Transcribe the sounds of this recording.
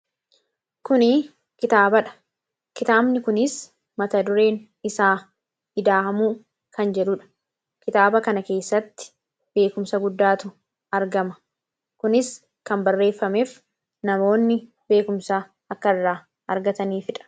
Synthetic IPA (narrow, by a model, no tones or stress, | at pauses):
kʊnɪ | kɪt̪aːbɐᶑɐ̥ | kɪt̪aːbnɪkʊnɪs | mɐt̪ɐd̪ʊɾe̞ːn | ɪsaː | ɪd̪aːhɐmuː | kɐnd͡ʒɛᶑʊᶑɐ̥ | kɪt̪aːbɐkɐnɐke̞ːsːɐt̪ːɪ̥ | b̥e̞ːkʊmsɐɡʊd̪ːaːt̪ʊ | ɐɾɡɐmɐ̥ | kʊnɪs | kɐmbɐrːe̞ːfːɐmeːf | nɐmo̞ːnːɪ | be̞ːkʊmsa | ɐkːɐɪrːaː | ɐɾɡɐt̪ɐniːfɪᶑɐ̥